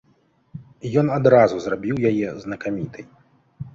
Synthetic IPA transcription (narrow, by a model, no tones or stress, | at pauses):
jɔnad̪ɾazuzrabʲiwjajɛznɐkamʲit̪ʰɨj